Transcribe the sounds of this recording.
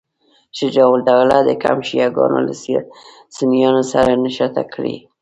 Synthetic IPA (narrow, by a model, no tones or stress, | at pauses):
ʃəd͡ʒɑwld̪awlad̪əka̰mʃijaɡɑ̰no̰la | sɪnijɑnosaɾanaʃat̪akʰɽḭ